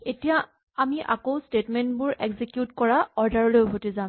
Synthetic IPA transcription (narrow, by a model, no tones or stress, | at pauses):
etija | amiʔa̰kowstetmɛntbʊɹeɡzikjutkɔɹaɔɹdaɹɔlojbʱotizam